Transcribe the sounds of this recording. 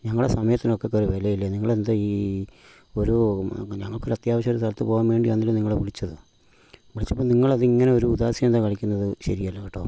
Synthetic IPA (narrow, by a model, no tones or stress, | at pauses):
ɲɐŋːɐɭɽesɐmɐjɐt̪ːino̞kːekːɐɾuʋelɐjilːɐniŋːɐɭend̪ɨiː | oɾuɲɐŋːɐɭkoɾuɐt̪jaːʋɐɕ̬ɐmoɾust̪ʰɐlɐt̪ːɨpo̞ːɣamʋe̞ːɳɖijanːilumniŋːɐɭeʋiɭit͡ɕːɐðɨ | ʋiɭit͡ɕːɐpːoːniŋːɐɭɐðɨiŋːɐneo̞ɾuud̪aːsjɐmnd̪akɐɭikʲːunːɐðɨɕɐɾijalːɐɣiʈːo̰ː